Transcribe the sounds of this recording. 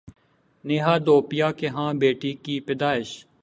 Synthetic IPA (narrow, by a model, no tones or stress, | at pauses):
neːɦaːd̪oːpɪjaːkeːɦãːbeːʈiːkiːpɪd̪aːɪʃ